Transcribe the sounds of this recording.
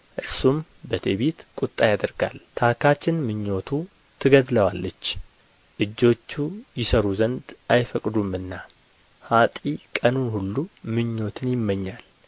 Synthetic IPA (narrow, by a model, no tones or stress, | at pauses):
ʔɨɾsum | bət̪ʰeβet̪kʷʼut̪ʼːajad̪əɾɡa̰lt̪ʰakʰat͡ʃːɪnmɨɲːo̞t̪ʰu | t̪ʰɨɡəd̪ləwalːət͡ʃː | ʔɨd͡ʒːo̞t͡ʃːujɪsəɾuzənd̪ʔajfəkʼd̪umɨnːa | hat̪ʼikʼənunhulːumɨɲːo̞t̪ʰɨnjɪmːəɲːal